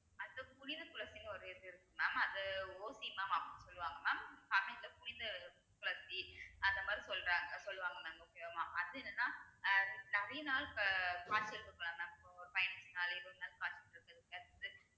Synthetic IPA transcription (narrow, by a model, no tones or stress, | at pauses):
ɐɐpʊɽɪnd̪ɐkʊlɐsinɐɾɯɪɾnɪɾɯkːɯnːaːmɐnd̪ɐoːsimaːmaːɐpɐɽnːɯsɔlːɯʋaːŋɡɐnaːmpɐmɪt̪ːɐpʊɽɪnd̪ɐ | kʊɭɐsiɐnd̪ɐmaːd̪ɾisɔlːɾaːŋɡɐsɔlːɯʋaːŋɡɐnaːmɐokːejomaːmɐðɯɛnːɐnːaː | nɐʋɐjnaːlɐkaːt͡ʃːɪɾɯkːɯkːɐlaːmaːmpːoɾfɐɪnɐnsnaːlɛɾonaːlkaːt͡ʃɐɪɾɯkːɐðɯkːɐðɯ